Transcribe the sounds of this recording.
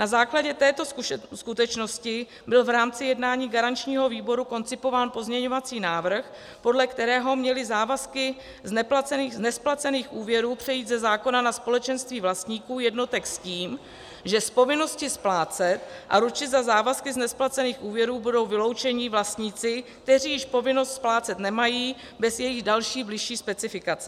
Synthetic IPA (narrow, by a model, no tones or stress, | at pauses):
nazaːklaɟɛt̪ɛːt̪o̞skut̪ɛt͡ʃno̞scɪ | bɪlvɾaːmt͡sɪjɛdnaːɲiːɡaɾant͡ʃɲiːɦo̞viːbo̞ɾuko̞nt͡sɪpo̞vaːnpo̞zmɲɛɲo̞vat͡siːnaːvr̩x | po̞dlɛkt̪ɛɾɛːɦo̞mɲɛlɪzaːvaskɪ | znɛplat͡sɛniznɛsplat͡sɛniːxʔuːvjɛɾuːpr̥ɛjiːd̪zɛzaːko̞nanaspo̞lɛt͡ʃɛnst̪viːvlast̪ɲiːkuːjɛdno̞t̪ɛksciːm | ʒɛspo̞vɪno̞scɪsplaːt͡sɛt̪ʔa̰ɾut͡ʃɪzazaːvaskɪznɛsplat͡sɛniːxʔuːvjɛɾuːbudo̞wvɪlo̞wt͡ʃɛɲɪvlast̪ɲit͡sɪk̚t̪ɛriːjɪʃpo̞vɪno̞st̪splaːt͡sɛt̪nɛmajiː | bɛzjɛjɪɣdalʃiːblɪʃiːspɛt͡sɪfɪkat͡sɛ